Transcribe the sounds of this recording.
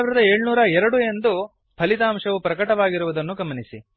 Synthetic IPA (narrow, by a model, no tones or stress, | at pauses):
ʋiɾɐd̪ɐe̞ːɭnuːɾɐɛɾɐɽue̞nd̪u | pʰɐlit̪aːmʂɐʋupɾɐkɐʈɐʋaːɡiɾuʋud̪ɐnːuɡɐmɐnisi